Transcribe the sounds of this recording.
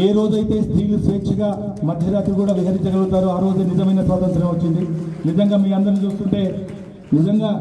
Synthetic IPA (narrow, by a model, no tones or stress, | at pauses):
eːɾo̞ːd͡ʒuɐjt̪e̞ːst̪ɾiːlusʋeːkʂiɡaː | mɐd̪ʱjɐɾaːt̪ɾukuːɽaːʋiɦɐɾiɲt͡ʃɐɡɐɭut̪aːɾuaːɾo̞ːd͡ʒenid͡ʒɐmɐjnɐsʋaːt̪ɐnt̪ʰɐɾɐmot͡ʃːind̪inid͡ʒɐŋɡaːmiːkɐnd̪ɐɾnit͡ʃuːst̪uɳʈe̞ː | nid͡ʒɐŋɡaː